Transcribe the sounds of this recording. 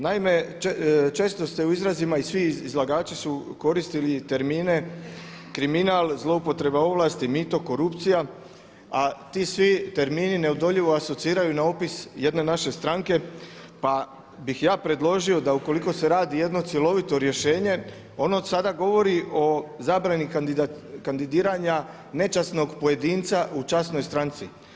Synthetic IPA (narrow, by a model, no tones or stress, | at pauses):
naime̞ | t͡ʃe̞ːst̪o̞st̪e̞uizɾazimaisʋiizlˠaɡaːt͡ʃisuko̞ɾist̪ilit̪e̞ɾmiːne̞ | kɾiminalˠzlˠo̞upo̞t̪ɾe̞bao̞ʋlˠaːst̪imit̪o̞ko̞ɾupt̪sija | at̪iːsʋit̪e̞ɾmiːnine̞od̪o̞ʎiʋo̞aso̞t̪siːɾajunao̞pisje̞d̪ne̞naʃe̞st̪ɾaŋke̞ | pa | bixjaːpɾe̞d̪lˠo̞ʒio̞d̪auko̞liko̞se̞ɾaːd̪ije̞d̪no̞t̪sje̞lo̞ʋit̪o̞ɾje̞ʃe̞ːɲe̞ | o̞nosad̪aɡo̞ʋo̞ɾiʔo̞zaːbɾani | kand̪id̪iːɾaɲa | ne̞t͡ʃasno̞ɡpoje̞d̪iːnt̪saʔut͡ʃasno̞jst̪ɾant̪sḭ